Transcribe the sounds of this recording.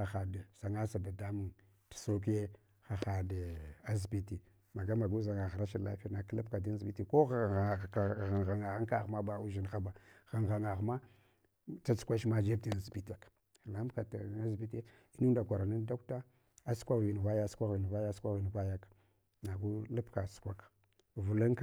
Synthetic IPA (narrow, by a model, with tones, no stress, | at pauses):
a˨xa˨dsa˨ŋa˦sa˨ba˨da˦mu˨ŋ | ti̥˨so˦k̬i˦je˦ | xa˨xa˨də˨a˦zbi˦ti˨ | ma˨ɡa˦ma˨ɡu˦za˨ŋa˨ɣa˨ɾa˦ʃi˦˨la̰˦fi˦na˨kla˦pka˨di˦n˦zbi˦ti˨ko˦ɣɣa˨ɣa˨ŋa˨ɣa˦ŋ˦ka˦˨ɣma˦ba˦u˦ʒi˨n˨xa˦ba˨ɣa˨ŋɣa˨ŋa˨ɣma˦ | t͡sa˦t͡su̥˦kʷa˦ʃma˦d͡ʒe˦b̚ti˨n˨zi˨bi˦ta˨k | la˨˦m˦ka˨ta˦zbi˦te˦ | i˦nu˦n˦da˨kʷa˨ɾa˨ni˦nda˦k̚ta˦ | a˦skʷa˦˨vi˨n˨va˦ja˦sʷa˦ɣi˨n˨va˦ja˦skʷa˦ɣi˨n˨va˦ja˦k | na˨ɡu˦la˦pka˨su̥˨kʷa˦k | vu˨la˦ŋk